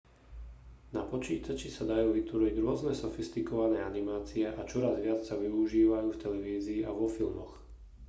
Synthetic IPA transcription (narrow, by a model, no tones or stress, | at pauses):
napɔt͡ʃiːt̪at͡ʃisad̪ajuːʋit̪ʋɔɾiɟɾʊɔznɛsɔfist̪ikɔʋanɛːanimaːt͡siɛʔat͡ʃɔɾazʋɪat͡ssaʋiuʒiːʋajuːft̪ɛlɛʋiːziːaʋɔfilmɔx